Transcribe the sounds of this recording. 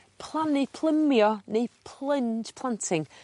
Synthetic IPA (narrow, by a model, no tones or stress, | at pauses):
pʰlˠannejpʰlˠəmjɔnejpʰlˠənd͡ʒpʰl̥ˠantʰɪŋ